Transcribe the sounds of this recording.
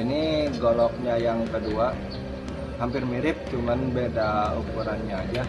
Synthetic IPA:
iniɡolɔk̚ɲajaŋkədua | hampɪrmiɾɪp̚t͡ʃumanbedaukuɾanɲaːd͡ʒa

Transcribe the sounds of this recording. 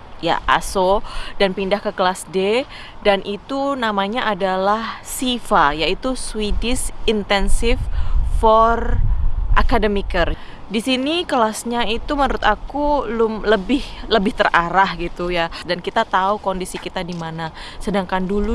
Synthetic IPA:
ja̰ʔa̰sodanpindahkəklasde | danʔit̪unamaɲaʔadalahsifajait̪uswidɪsint̪ɛnsɪffɔrʔakadəmikər | disinikəlasɲait̪umənɾʊt̪akulʊmləbɪhləbɪht̪əraɾahɡit̪ujadankit̪at̪aukondisikit̪adimanasədaŋkandulu

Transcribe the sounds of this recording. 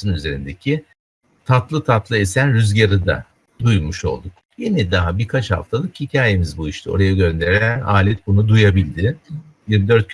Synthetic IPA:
ɯnyze̞ɾind̪ecʰɪ | t̪ʰat̪lˠɯt̪ʰat̪lˠɯesænɾyzɟaɾɯd̪a̰ | d̪ujumuʃo̞̰lˠd̪uk | jenid̪aɦabiɾkʰat͡ʃha̰ft̪ʰalˠɯkhicʰaːjemizbujiʃt̪ʰɯo̞̰ɾajaɟø̞nd̪e̞ɾlæna̰ːlʲɛt̪̚bunud̪ujabilʲd̪ɪ | jiɾmid̪ø̞ɾt̪̚ʰ

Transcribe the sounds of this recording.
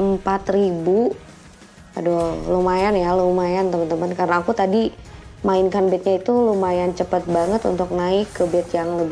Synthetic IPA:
əmpat̪ribu | adolomajanjalomajant̪əmənt̪əmənkaɾənaakut̪adimaɪnkanbɛt̪̚ɲait̪ulumajant͡ʃəpət̪̚baŋət̪ṵnt̪ʊk̚naɪkːəbɛt̪jaŋləb

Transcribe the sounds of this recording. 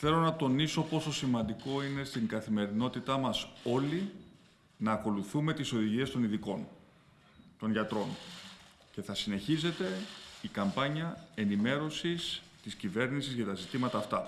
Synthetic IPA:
θe̞lo̞nɐt̪o̞niso̞po̞so̞simɐnd̪iko̞ine̞st̪iŋɡɐθime̞ɾino̞t̪it̪ɐmɐso̞li | nɐːko̞luθume̞t̪iso̞ðiʝie̞st̪o̞niðiko̞n | t̪o̞nʝɐt̪ɾo̞n | ce̞θɐsine̞çize̞t̪e̞ikɐmpɐɲɐe̞nime̞ɾo̞sist̪iscive̞ɾnisizʝɐt̪ɐzit̪imɐt̪ɐːft̪ɐ

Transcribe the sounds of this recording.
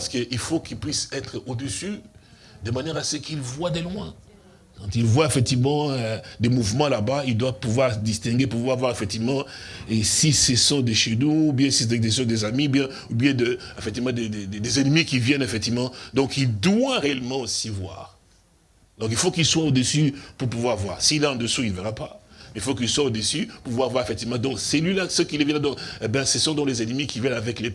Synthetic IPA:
paʁsə̥kəʔilfokilpɥisɛt̪χod̪əsy | d̪əmanjɛʁasəkʰilvwad̪əlwɛ̃ | kɑ̃t̪ilvwaefɛk̚t̪ivmɑ̃ød̪emuvmɑ̃labaild̪wapuvwaʁd̪ist̪ɛ̃ɡʲepuvwaʁvwaʁefɛk̚t̪ivmɑ̃esisesɔ̃d̪eʃenuːbjɛ̃sisɛd̪esɔ̃d̪ezamiubjɛ̃ | ubjɛ̃d̪ə | efɛk̚t̪ivmɑ̃d̪ed̪ed̪ed̪ezɛnəmikivjɛnefɛk̚t̪ivmɑ̃d̪ɔ̃kild̪waʁeɛlmɑ̃osivwa̰ːʁ | d̪ɔ̃kilfokilswaod̪əsypuʁpuvwaʁvwa̰ːʁsilɛɑ̃d̪əsuilveʁapamɛilfokilswaod̪əsypuʁvwaʁvwaʁefɛk̚t̪ivmɑ̃d̪ɔ̃ksɛlilasəkilevjɛ̃nd̪ɔ̃ebɛ̃sɛsɔ̃d̪ɔ̃lezɛnmikivjɛnavɛkle

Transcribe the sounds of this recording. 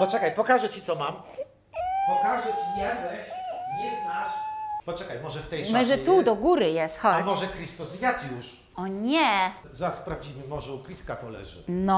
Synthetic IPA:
pɔt͡ʂɛkajpɔkaʐɛt͡ɕit̪sɔmam | pɔkaʐɛt͡ɕiɲɛbɛɕɲɛznaʂpɔt͡ʂɛkajmɔʐɛft̪ɛjmɛʐɛt̪ud̪ɔɡuɾɘjɛst̪xɔamɔʐɛkɾʲist̪usjat̪ʲjuʂ | ɔɲɛ | zaspɾavd͡ʑimɘmɔʐɛukɾʲiskat̪ɔlɛ̰ʐɘ̰nɔ

